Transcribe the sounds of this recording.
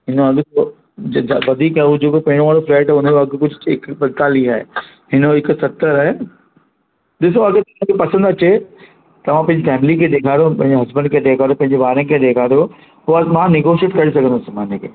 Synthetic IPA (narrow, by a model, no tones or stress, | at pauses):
ɦɪnoɐɡt̪o | aʋɐd̪ʱiːkaːud͡ʑeːkopɐɦɪ̃ɽ̃õʋaːɽofɾɛːʈɦɛʊneɐɡkʊd͡ʑʱɪkbɐ̃nt̪aːliaːɦḛ | ɦɪnɪksɐt̪əɾaːɦe | ɗɪs̬oɐɡet̪ɐʋ̤ãkʰepɐsə̃nd̪ɐt͡ɕe | t̪ɐʋ̤ãpɐ̃ɦɪ̃ɲd͡ʑefɛːmlikʰẽd̪eːkʰaːɽjopɐ̃ɦɪ̃ɲd͡ʑeɦɐzbə̃nkʰẽd̪eːkʰaːɾjopɐ̃ɦɪ̃ɲd͡ʑebaːɾənɪkʰẽd̪eːkʰaːɽijo | poɐmãnɪɡoːʃiəʈkɐɾisɐɡʱə̃nd̪osɪmaːnekʰḛː